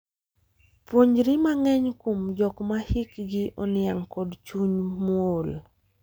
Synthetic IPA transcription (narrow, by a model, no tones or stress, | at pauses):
pwoɲd͡ʒɾimaŋɛɲkomd͡ʒɔkmahikɡɪʔɔnɪaŋkɔdt͡ʃuɲmol